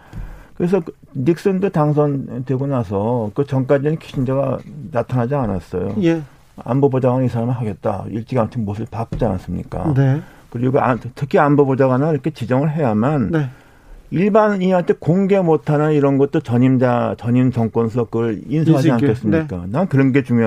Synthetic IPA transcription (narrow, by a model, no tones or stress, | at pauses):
kɯɾe̞s̬ʰʌ | nik̚s͈ɯndotaŋsʰʌntwe̞ɡonas̬ʰʌkɯt͡ɕʌŋk̬͈ad͡ʑinɯnkʰi̥ɕʰind͡ʑaɡanatʰanɦad͡ʑiana̰s͈ʌjo̰j | a̰mbobod͡ʑaɡanis̬ʰaɾamɯɭɦaɡe̞t̚t͈a̰iɭt͡ɕ͈iɡaŋt͡ɕʰinmos̬ʰɯɭpak͈̚ud͡ʑanas͈ɯmɲḭk͈a̰ne | kɯɾiɡoa̰tʰɯkʰiambobod͡ʑaɡanaiɾʌkʰe̞t͡ɕid͡ʑʌŋɯɭɦe̞jamane | iɭbaniɦantʰekoŋɡe̞motʰanaiɾʌnɡʌt̚t͈ot͡ɕʌɲimat͡ɕʌɲimt͡ɕʌŋk͈wʌns̬ʰʌkɯɯinsʰʌɦaiankʰes͈ɯmɲik͈a̰nankɯɾʌnɡe̞t͡ɕuŋjo